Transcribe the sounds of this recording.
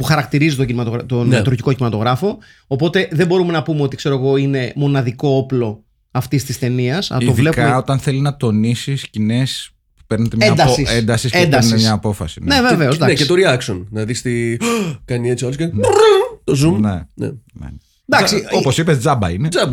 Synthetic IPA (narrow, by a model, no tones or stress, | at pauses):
puxɐɾɐkt̪iɾizit̪oɟinimɐt̪oɣɾt̪ont̪ɾuɾʝiko̞cinimɐt̪o̞ɣɾɐfo̞ː | po̞t̪e̞ðembo̞ɾume̞nɐpumeo̞t̪ikse̞ɾo̞eɣo̞ine̞mo̞nɐðiko̞oplo̞ | ɐft̪ist̪ist̪e̞niɐsɐt̪oðvlepkɐot̪ɐnθelinɐt̪o̞nisiscine̞s | pupeɾnet̪emɲeɐd̪ɐsisend̪ɐsisend̪eɐsneemɲɐːpo̞fɐsinneveve̞osd̪ɐnescet̪oɾiɐksonnɐðist̪ikɐniet͡ssiɐloskɐ | t̪ozumnḛnḛnḛ | d̪ɐksioposipezd͡zɐbɐ̰inezɐb